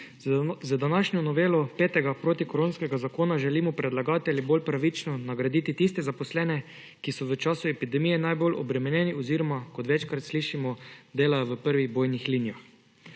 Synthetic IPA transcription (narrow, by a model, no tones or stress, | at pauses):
zəd̪anaʃɲʲɔnɔʋeːlɔpeːt̪ɛɡapɾoːt̪ikoɾoːnskɛɡazakoːnaʒɛliːmɔpɾɛd̪laɡaːt̪ɛliboːlpɾaʋit͡ʃnɔnaɡɾad̪iːt̪it̪ist̪ɛzapɔslɛːnɛ | kisɔʋət͡ʃaːsuɛpid̪ɛmiːjɛnajbolʔɔ̰bɾɛmɛnʲjɛːniɔziːɾɔmakɔt̪ʋɛt͡ʃkɾat̪sliːʃimɔd̪eːlajɔʋəpəɾʋiɣboːjnixlinijax